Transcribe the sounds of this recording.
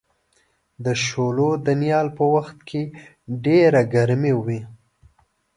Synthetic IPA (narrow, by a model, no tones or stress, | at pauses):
d̪əʃolod̪ənjɑlpəwaxt̪kʰe | ɖeɾaɡaɾmewi